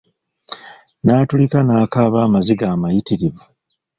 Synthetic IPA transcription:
naːtulikanaːkaːβaːmaziɡaːmajitiɾivu

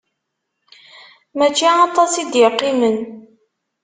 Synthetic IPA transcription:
mæt͡ʃːiɑt̪ˤɑsid̪jəqːimən

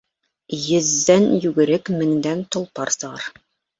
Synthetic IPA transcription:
jɘ̆zːænjʉɡɘ̆ɾɘkmɘ̆ŋd̪ænt̪ŏlˠpɑɾsɤ̆ʁɑɾ

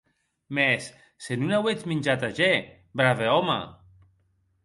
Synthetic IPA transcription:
mɛsː | enunawet͡ʃminʲd͡ʒat̪aʒɛ | bɾaveɔma̰

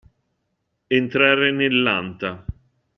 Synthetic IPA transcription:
ent̪ɾaːɾenelːant̪a

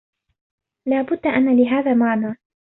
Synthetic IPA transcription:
laːbʊd̪ːaʔanːaːlɪɦaːðaːmaʕnaː

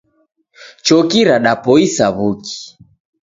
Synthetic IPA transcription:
t͡ʃɔkiɾaɗapɔisaβuki̥

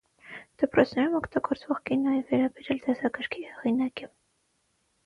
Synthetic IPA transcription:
d̪̥əpɾɔt͡sʰnɛɾumɔkt̪ɑɡɔɾt͡svɔʁkinɑjɛvɛɾɑbɛɾjɑld̪ɛsɑkəɾkʰihɛʁinɑki

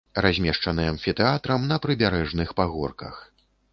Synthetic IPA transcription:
razʲmʲɛʂt͡ʂɐnɨjɛɐnfʲit̪ɛat̪ɾɐmnɐpɾɨbʲaɾɛʐnɨxpaɣɔ̰rkɐ̰x

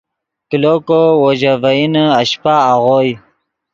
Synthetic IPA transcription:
kilokowoʑavainəaɕpaːʁoj

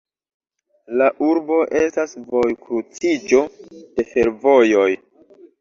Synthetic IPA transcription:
laʔuɾbo̞ʔe̞stasvo̞jkɾut͡sid͡ʒo̞d̥e̞fe̞ɾvo̞jo̞j

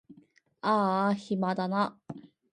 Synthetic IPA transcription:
ahimad̪ana

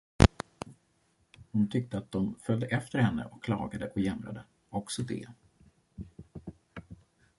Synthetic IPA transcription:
hʊnt̪ʰʏk̚t̪əat̪̚d̪ɔmfœld̪əʔɛft̪əɾhɛnːə̰ʔɔkkʰːlɑ̰ːɡad̪əʔɔjɛmɾa̰d̪ə | ɔksɔd̪ɛ̰

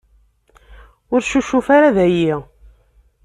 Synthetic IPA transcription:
ʊɾʃuʃufaɾaðæji

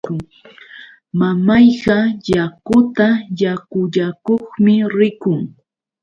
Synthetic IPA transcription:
mamajɢɑjakʊt̪ajakʊʎakoχmɪɾɪkʊŋ

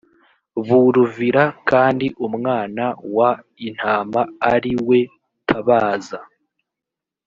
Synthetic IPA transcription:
βuɾuviɾakaːndiʔumŋaːnawa | in̥haːmaːɾiwe̞ | tʰaβaːza

